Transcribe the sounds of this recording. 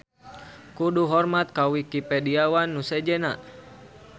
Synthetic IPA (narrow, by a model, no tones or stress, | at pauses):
kuduɦɔrmat̪̚kawikipɛdiawanːusɛd͡ʒɛnaʔ